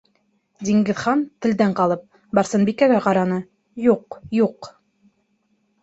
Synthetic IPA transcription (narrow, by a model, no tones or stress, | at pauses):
d̪ʲiŋɡɘ̆ðχɑnt̪ɘ̆ld̪æɴqɑlˠɤp̚ | bɑɾsɤnbikæɡæqɑɾɑnɤ | juqjuq